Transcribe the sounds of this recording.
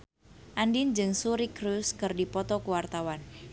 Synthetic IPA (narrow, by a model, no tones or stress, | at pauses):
ʔandind͡ʒɨŋsuɾikɾuskɨrdipɔt̪ɔkuwart̪awan